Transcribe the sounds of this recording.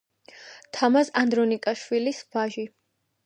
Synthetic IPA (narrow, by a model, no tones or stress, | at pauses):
t̪ʰamazand̪ɾɔnikʼaʃwilisvaʒi